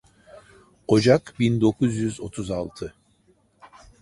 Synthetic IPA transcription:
o̞d͡ʒakbind̪o̞kʰuzjyzo̞t̪ʰuzalˠt̪ʰɯ

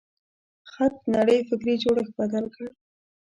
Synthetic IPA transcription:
xat̪̚naɽəjfɪkɾed͡ʒoɽexbad̪alkəɽ

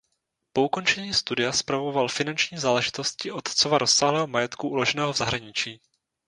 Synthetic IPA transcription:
po̞uko̞nt͡ʃɛɲiːst̪udɪjaspɾavo̞valfɪnant͡ʃɲiːzaːlɛʒɪt̪o̞scɪʔot̪t͡sovaɾʔosːaːɦlɛːɦomajɛt̪kuʔulo̞ʒɛnɛːɦovzaɦɾaɲɪt͡ʃiː

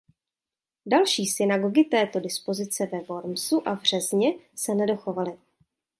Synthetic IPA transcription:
dalʃiːsɪnaɡo̞ɡɪt̪ɛːt̪o̞dɪspo̞zɪt͡sɛvɛvo̞ɾmsuʔabr̝̥ɛzɲɛsɛnɛdo̞xo̞valɪ

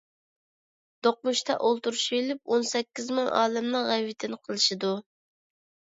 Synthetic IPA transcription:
d̪̥oq̚muʃt̪ʰɛ̰ʔolˠt̪uɾuʃelɪp̚onsɛkʲːizmɨŋɑ̰ːlɛmnɨŋʁɛwɪt̪ʰɪnɪqʰəlˠɨʃɪd̪u

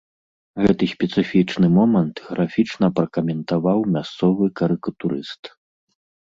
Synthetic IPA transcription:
ɣɛt̪ɨsʲpʲɛt̪sɨfʲit͡ʂnɨmɔmɐnt̪ɣɾafʲit͡ʂnɐpɾɐkɐmʲɛnt̪avawmʲast̪sɔvɨkɐɾɨkɐt̪uɾɨst̪

